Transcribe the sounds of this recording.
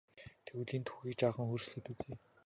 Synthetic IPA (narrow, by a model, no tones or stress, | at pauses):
t̪ʰewɮiːnt̪ʰxu̥xʲiːkt͡ɕaːχə̆ŋxurʃɮɘ̆t̪ut͡seː